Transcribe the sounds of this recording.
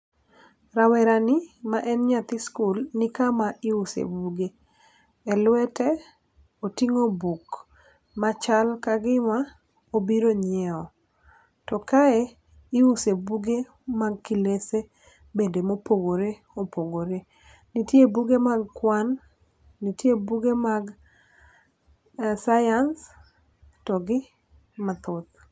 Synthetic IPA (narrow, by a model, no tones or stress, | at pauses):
ɾawɛɾanɪmaʔɛnɲat̪ɪskulnɪkamaɪusḛbuɡe | ɛlwɛtɛ | otiŋobuk | mat͡ʃalkaɡɪma | obiɾoɲɪɛɔ | tɔkaɛ | ɪusebuɡe | maɡ̚kilese | bendemopoɡoɾe | opoɡoɾe | nitjebuɡemaɡkwanː | itjebuɡemaɡ | sajans | tɔɡɪ | mat̪ʊt̪̚